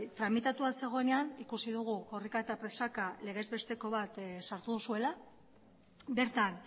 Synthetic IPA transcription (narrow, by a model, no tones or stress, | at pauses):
t̪ɾamit̪at̪uase̞ɣ̞o̞ene̞anikusiðuɣ̞uko̞rikaet̪apɾe̞sakale̞ɣ̞e̞zβe̞st̪e̞ko̞βat̪saɾt̪uðusue̞la | be̞ɾt̪an